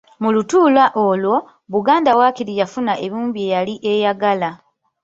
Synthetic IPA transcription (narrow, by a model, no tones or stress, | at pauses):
mulutuːlaʔo̞lwo̞ | βuɡaːndawaːkiɾijafunaʔe̞βuːmbie̞jaliʔe̞jaɡala